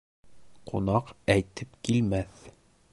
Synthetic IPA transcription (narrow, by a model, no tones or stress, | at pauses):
qʰṵnɑqæjt̪ɘpkilmæθ